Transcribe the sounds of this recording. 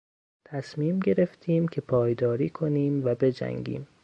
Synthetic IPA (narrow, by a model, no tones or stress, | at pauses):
t̪ʰæsmiːmɟe̞ɾe̞ft̪ʰiːmcʰe̞pʰɒːjd̪ɒːɾiːkʰo̞niːmvæbe̞d͡ʒæ̰ŋɡḭːm